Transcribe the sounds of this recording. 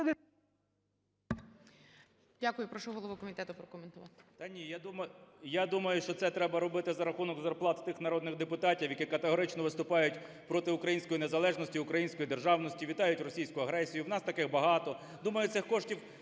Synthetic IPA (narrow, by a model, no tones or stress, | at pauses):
dʲakʊjʊpɾɔʃɔɦɔlˠɔʋʊkɔmʲit̪ɛt̪ʊpɾɔkɔment̪ʊʋɑt̪ɪ̥t̪ɐnʲijad̪umɐjad̪umɐjʊʃt͡ʃɔt̪sɛt̪ɾɛbɐɾɔbɪt̪ɪzɐɾɐxunɔɡzɐrplˠɑt̪t̪ɪxnɐɾɔd̪nɪɣd̪epʊt̪ɑtʲiwjɐkikɐt̪eɦɔɾɪt͡ʃnɔʋɪst̪ʊpɑjʊtʲ | pɾɔt̪ɪʊkɾɐjinʲsʲkɔjinezɐlˠɛʒnɔsʲtʲiʊkɾɐjinʲsʲkɔjid̪e̞rʒɑwnɔsʲtʲiʋʲit̪ɑjʊtʲrɔsʲijsʲkʊjʊɐɦɾɛsʲijʊwnɑst̪ɐkɪxbɐɦɑt̪ɔ | d̪umɐjʊt̪sɪxkɔʃtʲiw